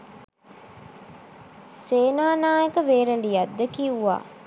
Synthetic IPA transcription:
seːnaːnaːjekəʋeːɾəlijad̪ːəkiuʋa̰ː

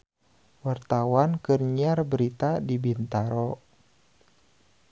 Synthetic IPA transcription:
wart̪awankərɲiarbəɾit̪adibint̪aɾɔ

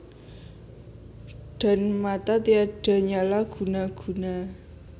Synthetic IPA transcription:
ɖ̥a̤nmat̪at̪iaɖ̥a̤ɲalaɡ̥ṳnaɡ̥ṳna

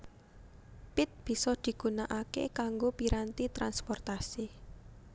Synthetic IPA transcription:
pɪt̪̚b̥i̤sɔd̪̥i̤ɡ̥ṳnaʔakḛkaŋɡopiɾant̪it̪ɾanspɔrt̪asi

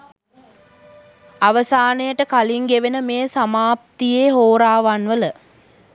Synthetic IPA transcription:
aʋəsaːnəjəʈəkaliŋɡeʋenəmeːsamaːpt̪ijeːɦoːɾaːʋanʋələ

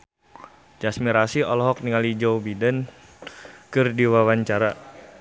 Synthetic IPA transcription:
d͡ʒasmiɾasiɔlɔɦɔk̚niŋalid͡ʒɔwbidən | kɨrdiwawaɲt͡ʃaɾa

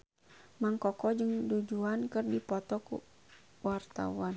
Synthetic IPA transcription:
maŋkɔkɔd͡ʒɨŋdud͡ʒuankərdipɔt̪ɔkṵ | wart̪a̰wan

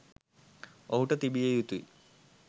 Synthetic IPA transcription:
oɦuʈɐt̪ibijejut̪ːui

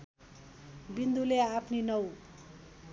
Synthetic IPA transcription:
bind̪uleapʰninʌw

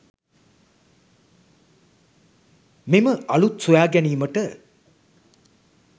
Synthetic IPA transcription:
miməʔɐɭut̪sujaːɡæniːməʈə

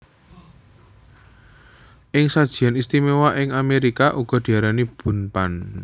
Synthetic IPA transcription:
ʔɪŋsad̥ʒ̥i̤anist̪imewaʔɪŋameɾikaʔuɡ̥ɔ̤d̪̥i̤aɾanib̥ṳnpan

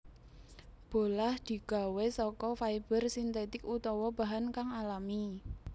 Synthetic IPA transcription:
b̥o̤lahd̪̥i̤ɡ̥a̤wesɔkɔfaib̥ərsint̪et̪ɪkut̪ɔwɔba̤ɦankaŋalami

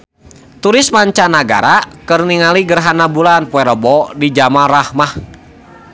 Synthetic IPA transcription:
t̪uɾɪsmaɲt͡ʃanaɡa̰ɾakɨrniŋaliɡərɦanabulanpuɛɾɔbɔdid͡ʒamarahmah

